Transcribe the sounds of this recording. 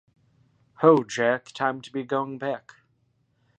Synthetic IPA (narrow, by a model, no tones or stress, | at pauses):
hoʊd͡ʒæk̚tʰãɪ̃mtʰəbiɡoʊɪ̃ŋbæk